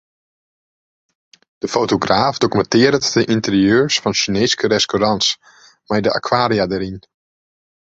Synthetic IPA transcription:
d̥əfoːtoɡraːfdokymɛntɪəɾətdəʔintərjøːɹsfɔnsineːskəɾɛstoɾans | mɛjdəʔa̰kʰwaːɾiadəɾin

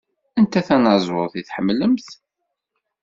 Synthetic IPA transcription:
ænt̪æθænɑzˤwʊɾˤθiθħəmːləmθ

